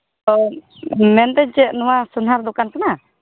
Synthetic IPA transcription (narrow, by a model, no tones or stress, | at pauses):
t̪ɔ | mɛnt̪ɛɲt͡ʃɛʔnɔwasunɦaɾd̪ɔkant̪ana